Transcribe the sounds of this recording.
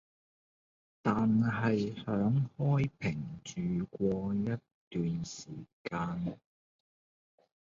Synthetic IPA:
t̪aː˨nɦɐ˨jhœː˨˥ŋhɔː˥jpʰɪ˨˩ŋt͡ʃyː˨˩kʷɔː˧jɐ˥t | t̪yː˨nsiː˨˩kaː˧n

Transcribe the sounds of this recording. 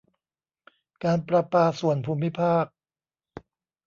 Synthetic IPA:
kaː˧npɾa˧paː˧su˨˩ənpʰuː˧mːi˦˥pʰaː˥˩k̚

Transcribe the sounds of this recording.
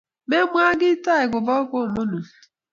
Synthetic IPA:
me˦mʷ˦a˦ɡɪ˦ta˦˨ɪ˨ɡʷʊ˨bɔ˦ko˦˨mo˦nu˨

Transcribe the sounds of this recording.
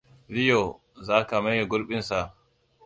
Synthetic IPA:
li˦jɔ˨ | zaː˦ka˨ma˦jɛ˨ɡʊ˦lɓi˦nsa˨

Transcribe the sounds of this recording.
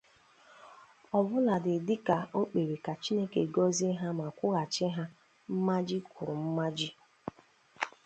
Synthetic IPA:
ɔ˨bʊ˦la˨dɪ˨dɪ˦ka˨ʔo˦k͡pe˨ɾe˨ka˨t͡ʃi˦ne˦ke˨ɡɔ˦zi˦ɦa˦ma˨kʷʊ˦ɣa˨t͡ʃɪ˦ɦa˦ | m̩˦ma˦d͡ʒi˦kʊ˨ɾʊ˨m̩˦ma˦d͡ʒi˦

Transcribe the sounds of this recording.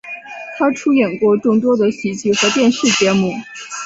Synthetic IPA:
t̪ʰa˥ʈ͡ʂʰu˥jɛ˨˩nkwɔ˥˧ʈ͡ʂʊ˥˧ŋt̪wɔ˥d̪ə˨ɕi˨˥˩t͡ɕi˥˩xɤ˧˥t̪jɛ˥˧nʂɻ̩˥˩t͡ɕjɛ˧˥mu˥˩

